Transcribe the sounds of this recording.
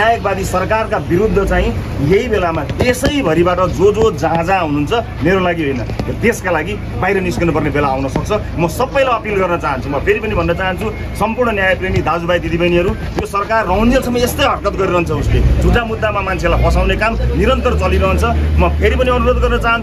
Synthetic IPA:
najʌk̚bad̪isʌrkarkabiɾud̪ʱːʌt͡saĩ | jeɦibelamat̪esʌjbʱʌɾibaʈʌd͡zod͡zod͡zaɦd͡zaɦunuunt͡sʰʌ | meɾolaɡiɦojnʌt̪eskalaɡi | bajɾʌniskʌnupʌrnebelaːwnʌsʌk̚t͡sʰʌ | mʌsʌbːʌjlajʌpilɡʌrnʌt͡saɦʌnt͡sʰumʌpʰeɾipʌnibʱʌnːʌt͡saɦʌnt͡sʰu | sʌmpurɳʌnjajʌprenid̪ad͡zubajt̪id̪ibʌjniʌɾu | josʌrkarːʌɦund͡zesʰʌmːʌest̪ʌjɦʌʈkʌt̪ɡʌɾiɾʌɦʌnt͡sʰʌusled͡zʱuʈamud̪ːamamant͡sʰelajpʌsawnekamniɾʌnt̪ʌrt͡sʌliɾʌɦʌnt͡sʰʌmʌpʰeɾipʌniʌnuɾod̪ɡʌrnʌt͡saɦʌnu

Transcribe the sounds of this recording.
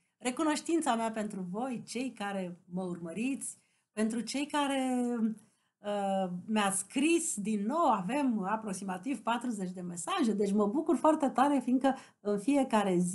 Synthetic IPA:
re̞kuno̞ʃt̪int̪sameape̞nt̪ɾuvo̞jt͡ʃe̞jkaɾe̞məurməɾit̪sʲ | pe̞nt̪ɾut͡ʃe̞jkaɾe̞ | əmeaskɾisd̪inːo̞wave̞mapɾo̞ksimat̪iv̥pat̪ɾuze̞t͡ʃʲd̪e̞me̞saʒe̞d̪e̞t͡ʃʲməbukurfoart̪e̞t̪aɾe̞fiŋkə | ɨnfije̞kaɾe̞z

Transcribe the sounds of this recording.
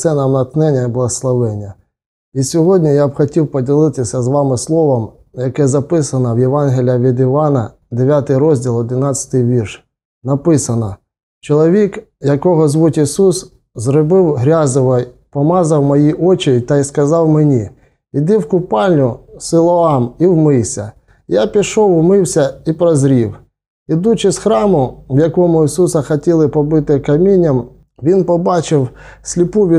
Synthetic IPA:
sɛnɐmnɐknɛnʲːɐiblˠɐɦɔslˠɐʋɛnʲːɐ | isʲɔɦɔdʲnʲijabxɔtʲiwpɔdʲilˠɪt̪ɪsʲɐzʋɑmɪslˠɔʋɐm | jɐkɛzɐpɪsɐnɐwjeʋɑnɦʲɪlʲjɐʋʲid̪ɪʋɑnɐ | d̪eʋʲjat̪ɪjɾɔzʲdʲilˠɔd̪ʲɪnɑt͡sʲɐ̥t̪ɪjʋʲirʃ | nɐpɪsɐnɐ | t͡ʃɔlˠɔʋʲik | jɐkɔɦɔzʋutʲisus | zɾɔbɪwɦɾʲɑzɪʋɔj | pɔmɑzɐwmɔjiʔɔt͡ʃɪit̪ɐiskɐzɑwmenʲi | id̪ɪwkʊpɑlʲnʲʊsɪlˠɔɑmiwmɪwsʲɐ̰ | japʲiʃɔwmɪwsʲɐipɾɔzɾʲiw | id̪ut͡ʃɪsxɾɑmʊwjɐkɔmʊisusɐxɐtʲilˠɪpɔbɪt̪ɪkɐmʲinʲːɐm | ʋʲinpɔbɑt͡ʃɪwsʲlʲipuʋʲi

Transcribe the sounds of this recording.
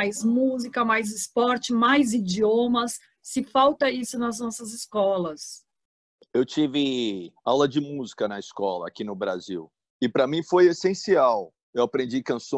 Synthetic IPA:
ajzmuzikɐmajzɪspɔɾt͡ʃɪmajzid͡ʒiõmɐsː | ɪfawt̪ɐisʊnɐznɔsɐzɪskɔlɐs | ewt͡ʃivɪawlɐd͡ʒɪmuzikɐnɐɪskɔlɐ̰ːkinʊbɾa̰zḭw | ɪpɾɐmĩfojesẽsiaw | ewapɾẽd͡ʒikɐ̃sõ

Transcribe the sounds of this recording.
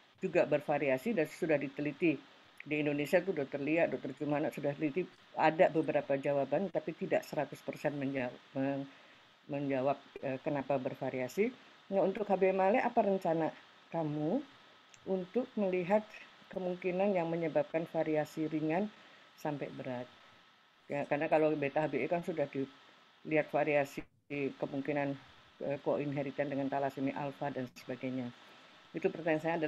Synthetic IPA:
d͡ʒuɡabərfaɾiasidansudahdit̪əlit̪i | diːndonesiat̪udɔk̚t̪ərliat̪̚dɔk̚t̪ɔrd͡ʒumanaʔsudaht̪əlit̪i | adabəbəɾapad͡ʒawabant̪apit̪ida̰ʔsəɾat̪ʊspərsɛnməamə | məɲd͡ʒawap̚əkənapabərfaɾiasi | naunt̪ʊkhabemalɛʔapaɾəɲt͡ʃana | kamu | unt̪ʊk̚məliɦat̪̚kəmuŋkinanjaŋməɲəbap̚kanfaɾiasiɾiŋan | sampajbəɾat̪̚ | karnakalobet̪aɦabeekansudahdi | liɦat̪̚faɾiasi | kəmuŋkinan | əkoʔinɦeɾit̪andəŋant̪alasimiʔa̰lfadansəbaɡajɲa | it̪upərt̪aɲansaɲada

